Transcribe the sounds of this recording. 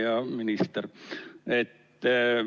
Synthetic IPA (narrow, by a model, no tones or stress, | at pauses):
jɑminist̪eret̪ː